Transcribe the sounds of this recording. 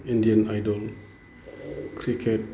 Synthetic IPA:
indiənajdɔl | kɾikʰet̚

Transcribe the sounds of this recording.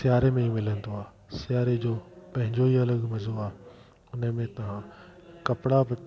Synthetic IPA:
sɪjaːɾemẽimɪlənd̪oaː | sɪjaːɾed͡ʑoːpɐ̃ɦɪ̃ɲd͡ʑoiɐləɠmɐzʱoaːe | ʊnə̆mẽt̪ɐʋ̤ãkɐpɪɽab

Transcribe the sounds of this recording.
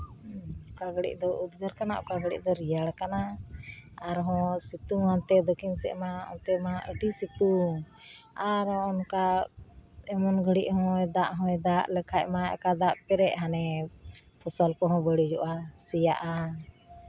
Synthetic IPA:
kaɡɽḭʔd̪ɔʔud̪ɡəɾkana̰ʔɔkaɡɽḭʔ̚d̪ɔɾijaɽkanaː | ɾɦɔ̃sit̪uant̪ɛd̪ɔkʰinsɛ̰ʔmaɔ̰nt̪ɛmaʔəʈisit̪u | aɾɔɔnka | ɛmɔnɡʱəɽiʔɦɔ̃ɛd̪aʔɦɔ̃ɛd̪aʔlɛkʰaʔ̚maɛ̰kad̪aʔpɛɾɛʔɦanɛ | pʰɔsalkɔɦɔ̃bəɽid͡ʒɔʔasijaʔa

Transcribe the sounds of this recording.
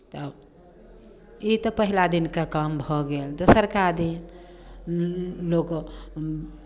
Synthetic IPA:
t̪ə | it̪ɔpəɦilad̪inkakambʱɔɡeld̪osəɾkad̪in | lok

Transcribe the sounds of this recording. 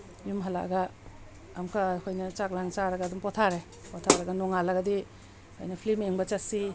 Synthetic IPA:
jumɦala̰ʔɡaː | mkʰakʰojnɐt͡ʃak̚laŋt͡ʃaɾɐɡadumpɔtʰaɾe | pɔtʰaɾɐɡɐnɔŋalaɡadi | kʰo̰jnɐpʰlimeŋbɐt͡ʃasi

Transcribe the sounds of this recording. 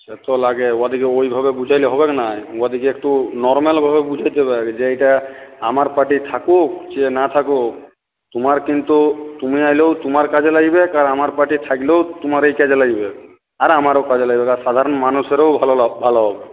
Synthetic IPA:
set̪olaɡeoad̪ikeojbʱabebud͡ʒʱajleɦɔbeknajoad̪ikeekʈunɔɾmalbʱabebud͡ʒʱajt̪ebekd͡ʒeejʈaamaɾpaɾʈit̪ʰakokd͡ʒenat̪ʰako | t̪umaɾkint̪ut̪umiajlewt̪umaɾkad͡ʒelaɡjbekaɾamaɾpaʈit̪ʰakilewt̪umaɾejkad͡ʒelaɡibek | aɾamaɾokad͡ʑelaɡbekaɾsad̪ʱaɾɔnmanuseɾewbʱalbʱalɔɦɔbe

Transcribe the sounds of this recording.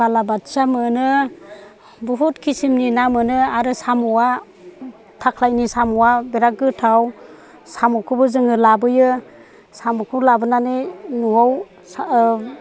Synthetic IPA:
alabatsamɯnɯ | buɦutkʰisimninamɯnɯaɾɯsamɔwa | tʰakʰlajnisamɔwabeɾak̚ːɯtʰaw | samɔkʰɯbɯzɯŋɯlabɯjɯ | samukʰulabɯnanɯnuaw

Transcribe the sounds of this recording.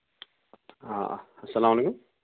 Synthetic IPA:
a̰ɐsːɐlaːmɐleːkʊm

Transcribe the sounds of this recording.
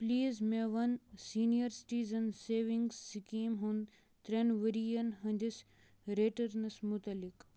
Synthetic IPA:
pliːzmẽʋɐnsiːnijɐɾsi̥ʈiːzɐnseːʋĩŋɡsːikiːmɦũnd̪ | t̪ɾenʋəɾijɐnɦɐ̃nd͡ʒis | ɾeːʈɐɾnɐsmʊt̪ɐlɪk

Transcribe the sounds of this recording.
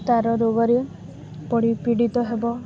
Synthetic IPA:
t̪aɾɔɾoɡɔɾe | pɔɽipiɽit̪ɔɦebɔ

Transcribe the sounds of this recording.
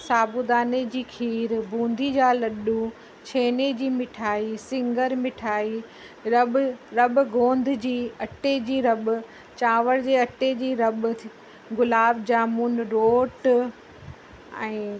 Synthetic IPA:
saːbud̪aːned͡ʑiːkʰiːɾbũːnd̪ʱid͡ʑaːlɐɗu | t͡ɕʰeːned͡ʑiːmɪʈʰaːisɪ̃ŋɡəɾmɪʈʰaːi | ɾɐɓɾɐɓʊɡõːnd̪ʱɪ̆d͡ʑiːɐʈed͡ʑiːɾɐbʊ̆ | t͡ɕaːʋəɽd͡ʑeːɐʈed͡ʑiːɾɐɓ̪̆i | ɡʊlaːbd͡ʑaːmuːnɾoːʈ | ɛ̃ː

